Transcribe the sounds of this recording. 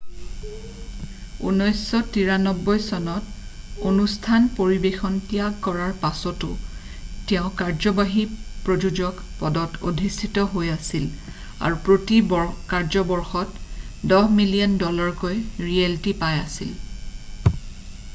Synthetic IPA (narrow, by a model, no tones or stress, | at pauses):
ṵnɔjsːɔtiɹanɔbːɔjsɔnɔtonustʰanpoɹibexɔntijakkɔɹaɹpasɔtʊ̰ | tɛʊ̃kaɹzɔbaɦipɹod͡ʒud͡ʒɔk | pɔdɔto̰dʱisʰitɔɦojasil | a̰ɹupɹotibɔkaɹzɔbɔɹxɔtdɔɦmiliɔndɔlaɹkojɹieltipajasḭl